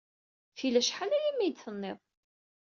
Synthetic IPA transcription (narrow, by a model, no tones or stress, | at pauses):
θilæʃħalæjimːijt͡sːənːɪðˤ